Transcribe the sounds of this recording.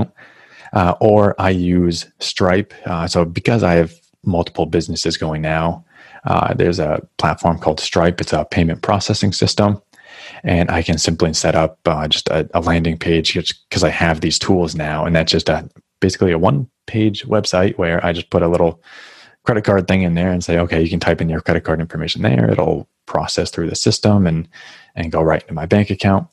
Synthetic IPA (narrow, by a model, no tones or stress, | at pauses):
ʔʔə˞ʔaɪjʉz̥stɹ̥aɪpsoʊbɨkʰʌza̰ɪɨv | mʌlˠtʰə̥pʰl̩ˠbɪznɨsɨzɡoʊɪ̃ŋnaʊ̰ | ðə̰˞zə̰pʰl̥ætfɔɹmkʰɔlˠd̥stɹ̥aɪpɨtsəpʰẽɪ̃mɨ̃npʰɹ̥ɔsɛsɪ̃ŋsɪstə̃m | ɨ̃nʔa̰ɪkʰɨ̃nsɪ̃mplisɛɾʔʌp̚d͡ʒʌstʰɨ̰əlæ̃ndɪ̃ŋpʰeɪ̥ʒ̥ɡɨt͡ʃkʰʌzaɪɨvðiz̥tʰulˠznaʊə̰̃nðætsd̥ʒ̥ʌstɨ | b̥eɪsɨ̥klˠiɨwʌ̃npʰeɪd͡ʒwɛb̥saɪʔwə˞ʔa̰ɪd͡ʒʌspʰʊɾəlɪɾl̩ˠ | kʰɹ̥ɛɾɨt̚kʰɑɹd̪̚θɪ̃ŋɨ̃nðə˞ɨ̃nseɪoʊkʰeɪjɨkn̩tʰaɪpɨ̃njə˞kʰɹ̥ɛɾɨt̚kʰɑɹɾɪ̃ɱfə˞meɪʃn̩ðə̰˞ɪ̰ɾl̩ˠ | pʰɹ̥ɔ̰sɛsθɹʉðɨsɪstə̃mɨ̃nʔɨ̃nɡoʊɹaɪɾɪ̃ntʰumaɪbæ̃ŋkɨkʰãʊ̃nt̚